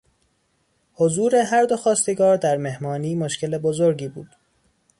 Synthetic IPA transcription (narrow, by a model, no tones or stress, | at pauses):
hozuːɾe̞ɦæɾd̪oxɒːst̪eɡɒːɾd̪æɾme̞hmɒːniːmoʃce̞lebozoɾɟiːbṵːd̪̥